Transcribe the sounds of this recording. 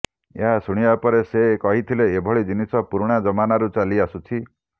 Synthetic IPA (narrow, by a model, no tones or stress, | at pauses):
ḛɦasuɽ̃ibapɔɾesekɔɦit̪ʰileːbʱɔɭid͡ʒinisɔpuɾɽ̃ad͡ʒɔmanaɾut͡ʃaliasut͡ʃʰi